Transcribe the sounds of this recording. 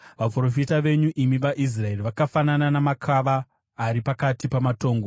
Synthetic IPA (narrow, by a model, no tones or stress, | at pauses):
ʋapro̞fitaʋe̞ɲuʔimiʋaʔis̬rae̞riʋakafanananamakʰaʋaː | ɾipakatipamato̞ːŋɡo